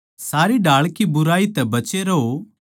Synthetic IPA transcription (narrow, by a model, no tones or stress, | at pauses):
saːɾiɖaːɭkibʊɾaːit̪ɛbɐt͡ʃeɾɛɦo